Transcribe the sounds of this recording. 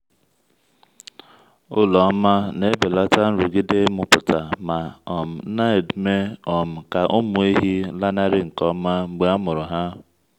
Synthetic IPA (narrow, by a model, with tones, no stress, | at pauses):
ʊ˦lɔ˨˦ma˦ne˦be˨la˦ta˦n̩˦ɾʊ˨ɡɪ˦de˦mʊ˨pʊ˨ta˨ma˨ɔ˨m̩˨˦na˦i˨dme˦ɔ˨m̩˨ka˨ʔʊ˦mʊ˨˦i˦ɦi˦la˦na˦ɾɪ˦ŋ̩˨kɔ˦ma˦ŋ͡m̩˨ɡ͡be˦a˦mʊ˨ɾʊ˨ɦa˦